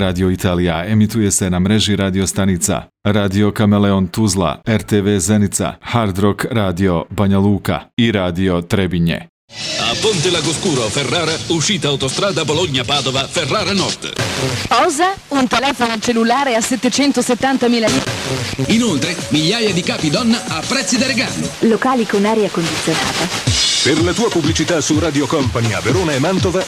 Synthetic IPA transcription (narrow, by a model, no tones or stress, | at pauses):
ɾaːd̪io̞it̪ʰaːlijaemit̪uje̞se̞namɾe̞ʒiɾaːd̪iost̪anit̪sa̰ | ɾaːd̪io̞kameleont̪uzla̰ɛɾt̪eʋeːzenit̪sa̰haɾd̪ɾokɾaːd̪io̞baɲaluːka̰iɾaːd̪io̞t̪ɾebiɲḛ | a̰pːont̪elaɡoskuːɾoferːaːɾauʃiːt̪aːwt̪ost̪ɾaːd̪aboloɲːapaːd̪ovaferːaːɾanɔ̰rt̪pɔːzaunt̪elɛːfonot͡ʃelːulaːɾeasɛt̪ːet͡ʃɛnt̪oset̪ːant̪amiːlaliːeinolt̪ɾemiʎːaːjad̪ikaːpid̪ɔnːaapːɾɛt̪sːid̪aɾeɡa̰ːno̰lokaːlikonaːɾeakond̪it̪sːjona̰ːt̪aperlat̪uːepubːlit͡ʃit̪asuraːd̪jokɔmpania̰veɾoːnaemːant̪ova